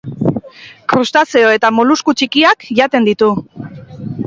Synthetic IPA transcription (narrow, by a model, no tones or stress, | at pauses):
kɾust̪aseoe̞t̪amoluskut͡ʃikiakʝat̪e̞nd̪it̪u